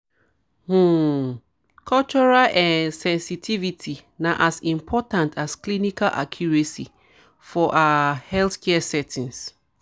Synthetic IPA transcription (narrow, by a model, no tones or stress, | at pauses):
hu | kʰɔt͡ʃɔɹalʔɛ̃nsɛ̃nsitʰivitʰinaʔasĩmpʰɔtãntʰasklinikalʔa̰kʰjuɹesi | fɔʔaahɛlθkʰɛsɛtʰĩns